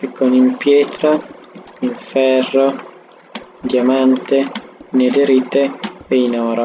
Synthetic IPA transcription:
pikːonimpjɛːt̪ɾa | iɱfɛrːo | d̪jamant̪ened̪eɾit̪eeinɔːɾo

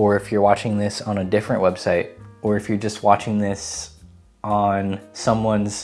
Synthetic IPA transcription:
ə˞ɨfjə˞wɑt͡ʃɪ̃ŋðɪsn̩ɨdɪfɹɨ̃nʔwʔɛb̥saɪɾ̚ə˞ɨfjə˞d͡ʒʌst̚wɑt͡ʃɪ̃ŋðɪs | n̩sʌ̃mwʌ̃nz̥

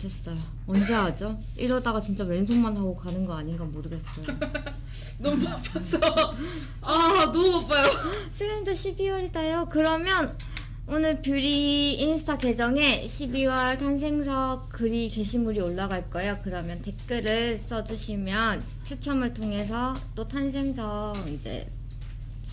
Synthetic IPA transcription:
tes͈ʌjo | mʌnd͡ʑe̞ɦad͡ʑo | iɾʌdaɡat͡ɕint͡ɕ͈awe̞ns̬ʰoŋmanɦaɡokanɯnɡʌaɲinɡamoɾɯɡe̞s͈ʌjo | nʌmapasʰʌ | anop͈ajosʰɯɡɯmdoɕʰibiwʌɾidajokɯɾʌmjʌn | onɯɭpjuɾiːnsʰɯ̥tʰake̞d͡ʑʌŋe̞ɕʰibiwʌɭtʰans̬ʰe̞ŋs̬ʰʌkɯɾike̞ɕʰimuɾioɭːaɡaɭk͈ʌejokɯɾʌmjʌnte̞k̚k͈ɯɾɯɭs͈ʌd͡ʑuɕʰimjʌn | t͡ɕʰɯk̚t͡ɕʰʌmɯɭtʰoŋe̞s̬ʰʌt͈otʰansʰe̞ŋsʰʌind͡ʑe̞̰

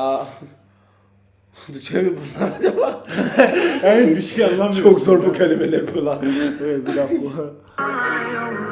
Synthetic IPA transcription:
a | d̪ut͡ʃʰevibunlˠaɾad͡ʒablˠa | ebiʃejanlˠamt͡ʃjʰokzoɾbukʰalʲimelʲæɾbalˠanevɛt̪̚biɾazbua

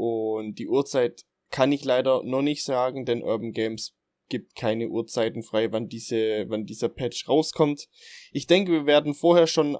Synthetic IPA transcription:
ʔʊnt̚d̥iːʔuːɐt͡saɪt | kʰanɪçlaɪɾɐnɔχnɪçtz̥aːɡŋ̩dɛnʔœ̰ɐbn̩ɡeɪms | ɡ̥iːp̚tkʰaɪnəʔṵːɐt͡saɪtn̩fʁ̥aɪvandiːzəvandiːzɐpʰɛt͡ʃʁaʊskʰɔmt | ʔɪçd̥ɛŋkəviːɐveːɐdn̩foːɐheːɐʃoːn

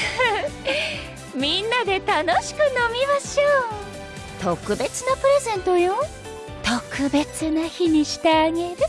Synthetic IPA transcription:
mʲĩnːad̪e̞t̪ano̞ɕi̥kɯ̟no̞mʲimaɕoː | t̪o̞kɯ̟be̞t͡sɨnapɯ̟ɾe̞zẽ̞nt̪o̞jo | t̪o̞kɯ̟be̞t͡sɨnaçiɲ̟iɕi̥t̪eːɡe̞ɾɯ̟

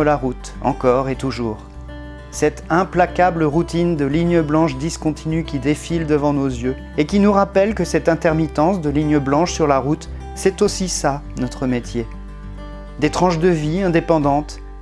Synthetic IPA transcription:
əlaʁut̪ | ɑ̰̃kɔʁet̪uʒuːʁ | sɛt̪ɛ̃plakabləʁut̪ind̪əliɲjəblɑ̃ʃd̪iskɔ̃t̪ʰinykʲid̪efild̪əvɑ̃nozjø | ekʲinuʁapɛlkəsɛt̪ɛ̃t̪ɛʁmit̪ɑ̃sd̪əliɲjəblɑ̃ʃsyʁlaʁut̪ | sɛt̪osisa | nɔt̪χəmet̪je | d̪et̪χɑ̃ʃd̪əviɛ̃d̪epɑ̃d̪ɑ̃t̪

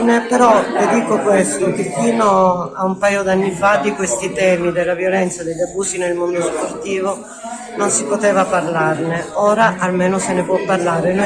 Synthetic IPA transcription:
nepeɾɔled̪iːkokwest̪ok̟efiːnoaumpajod̪anːifad̪ikwest̪it̪ɛːmid̪elːavjolɛnt̪sad̪eʎːabuːsinelmomnt̪osport̪iːvo | nonsipot̪ɛːvaparlarneɔːɾaʔalmeːnosenepwɔpːarlaːɾen

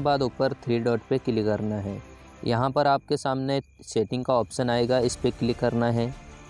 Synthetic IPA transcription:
ebaːd̪ʊːpəɾt̪ʰɾiːɖɔːʈpekɪlikɐɾnaɦɛː | jɐɦãpɐɾaːp̚kesaːmne | seːʈɪ̃ŋɡkaɔːpʃənaːeːɡaɪspekɪlikːɐɾnaɦɛː

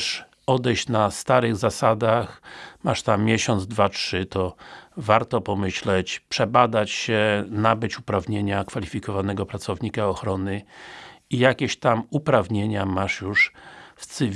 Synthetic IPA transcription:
ʂ | ɔd̪ɛjɕt͡ɕnast̪aɾɘɣzasad̪axmaʂt̪amːʲjeɕɔnd̪zd̪vatʂɘt̪ɔvaɾt̪ɔpɔmɘɕlɛt͡ɕpʂɛbad̪at͡ɕɕɛnabɘt͡ɕupɾavɲeɲakfalʲifʲikɔvanɛɡɔpɾat̪sɔvɲikaɔxɾɔnɘ | ijakʲeɕt̪amupɾavɲeɲamaʂjuʂft̪sɘvʲ

